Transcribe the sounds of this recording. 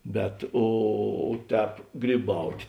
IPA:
bʲɛt ˈoː ˈtʲɛːp ɡrʲiːˈbɐʊtʲ

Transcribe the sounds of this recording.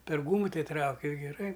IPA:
pʲɛr ˈɡuːmʊ ˈtʲɛɪ ˈtrɐʊkʲɪ ɪr ɡʲɛˈrɐɪ

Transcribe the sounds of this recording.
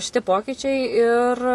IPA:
ʃʲɪˈtʲɪ ˈpoːkʲiːt͡ʃʲɛɪ ɪr

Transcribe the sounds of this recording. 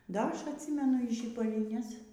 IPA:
ˈdɐ ˈɐʃ ɐtʲˈsʲiːmʲɛnʊ iː ʒʲiːbɐlʲɪˈnʲɛs

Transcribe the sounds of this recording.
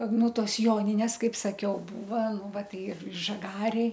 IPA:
ˈnʊ ˈtoːs ˈjoːnʲɪnʲeːs ˈkɐɪp sɐˈkʲɛʊ ˈbuːʋɐ ˈnʊ ˈʋɐ ˈtɐɪ ɪr ʒɐˈɡɑːrʲeːj

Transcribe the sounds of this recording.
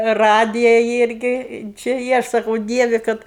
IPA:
ˈrɑːdʲɪjɛ ˈɪrʲɡʲɪ t͡ʃʲɪ ˈjɪ ˈɐʃ sɐˈkɐʊ ˈdʲiɛʋʲɪ ˈkɐt

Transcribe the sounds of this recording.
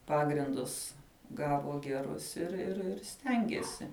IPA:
ˈpɑːɡrʲɪndʊs ˈɡɑːʋoː ɡʲɛˈrʊs ɪr ɪr ɪr ˈsʲtʲɛŋʲɡʲeːsʲɪ

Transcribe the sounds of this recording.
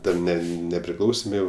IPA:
ˈtʲɛn ˈnʲɛ nʲɛpʲrʲɪˈklˠɐʊsʲeːm ˈjɛʊ

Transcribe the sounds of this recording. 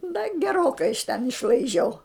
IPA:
dɐ ɡʲɛˈroːkɐɪ ɪʃ tʲɛn ɪʃlˠɐɪˈʒʲɛʊ

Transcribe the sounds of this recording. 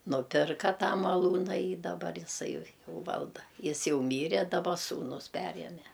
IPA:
nʊˈpʲɪrkɐ ˈtɑː mɐˈlˠuːnɐ iː dɐˈbɐr ɪˈsɐɪ ˈjɛʊ ˈʋɐlˠdɐ ˈjɪs ˈjɛʊ ˈmʲiːrʲɛ dɐˈbɐ ˈsuːnʊs ˈpʲæːrʲiɛmʲɛ

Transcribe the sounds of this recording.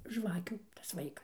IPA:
ˈʒʋɑːkʲuː tɐs ˈʋɐɪkɐs

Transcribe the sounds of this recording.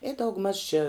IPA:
ɪ dɐʊɡˈmɐʃ t͡ʃʲɪ

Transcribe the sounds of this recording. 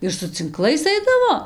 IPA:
ɪr sʊ t͡sʲɪŋˈklˠɐɪs ˈɐɪdɐʋoː

